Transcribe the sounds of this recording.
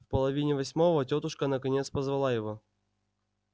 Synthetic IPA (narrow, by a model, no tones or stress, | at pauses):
fpəlˠɐvʲinʲɪvɐsʲmo̞vətʲot̪ʊʂkənəkɐnʲet̪spəzvɐlˠajɪvo